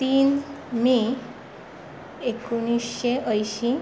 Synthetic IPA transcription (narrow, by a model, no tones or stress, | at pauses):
t̪inmi | ekunisːeʔəjɕi